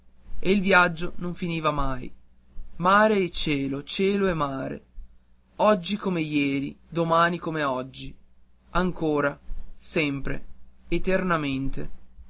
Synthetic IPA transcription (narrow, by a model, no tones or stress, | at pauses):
eilvjad͡ʒːonoɱfiniːvamaj | maːɾeɛt͡ʃɛːlot͡ʃɛːloemːaːɾḛ | ɔd͡ʒːikomejɛːɾid̪omaːnikomeɔd͡ʒːi | aŋkoːɾasɛmpɾḛet̪ernament̪e